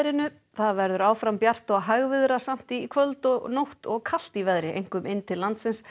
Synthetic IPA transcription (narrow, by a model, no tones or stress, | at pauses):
ɾɪnʏ | θaðvɛɾðʏɾaːwfɾampjar̥t̪ɔɣɦaɣvɪðɾasam̥t̪ikʰvœlt̪ɔɣnowht̪ɔɣkʰal̥t̪ivɛðɾɪḛjŋ̥kʏmʔɪnːt̪ʰɪllant̪sɪns